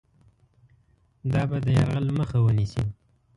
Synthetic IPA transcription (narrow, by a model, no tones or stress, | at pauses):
d̪ɑbad̪əjaɾɣəlməxawənisḭ